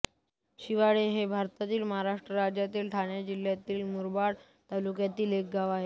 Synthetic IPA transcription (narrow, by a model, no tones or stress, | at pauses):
ɕiʋaɭeɦebʱaɾt̪at̪iːlmaɦaɾaʂʈɾəɾad͡ʑjat̪iːlʈʰaɳjad͡ʑil̤jat̪iːlmuɾbaɽ | t̪alukjat̪iːlek̚ɡaʋaɦe